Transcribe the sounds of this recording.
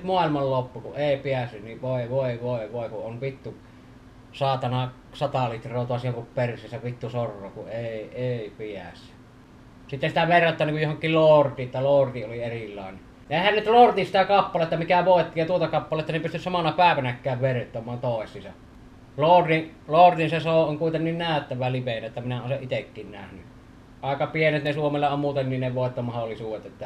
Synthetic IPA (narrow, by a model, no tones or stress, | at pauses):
nyt̪muɑˑelmɑllopːukuʔʔeˑipiæsːynniʋʋoˑeʋoˑeʋoˑeʋoˑekuʔʔonʋit̪ːu | sɑˑːt̪ɑnɑ | sɑt̪ɑlit̪rˑoːˑt̪oɑsihoŋkuppersiːsæʋit̪ːusorːˑoːkuʔʔeˑieˑipiæ̰sˑy̥ | sit̪ːesit̪æʋerːɑt̪ːˑɑːˑnːiŋkujohoŋkːˑilloːrt̪ˑiːʔet̪ːæloːrt̪iʔʔolierilːˑɑ̰ˑene | ʔeˑhænnyt̪lort̪isit̪ækɑpːɑlet̪ːɑmikæʋoˑet̪ːijɑt̪uot̪ɑkɑpːɑleˑet̪ːɑnepyst̪yssɑmɑnɑpæˑeʋænækːˑæˑːʋʋert̪ːˑomˑɑːnt̪oˑesːˑisɑ | lortiʔlort̪insesoˑːʔʔoŋkuˑit̪enːinnæˑøt̪ːæʋælipenæt̪ːæminæonseʔʔit̪ekːiːnnæ̰hny | ʔɑˑekɑpienet̪nesuomelːɑommuːt̪enninneʋoˑet̪ːomɑholːˑisuːʋet̪ʔet̪ːæ